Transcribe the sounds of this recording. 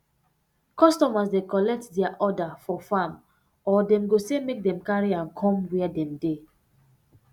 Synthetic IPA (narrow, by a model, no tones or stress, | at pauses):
kɔstɔmasdekɔlɛk̚tdɛaʔɔdafɔfãm | ɔdɛ̃mɡosemek̚dɛ̃mkaɹiãnkʰɔ̃mwɛadɛ̃mde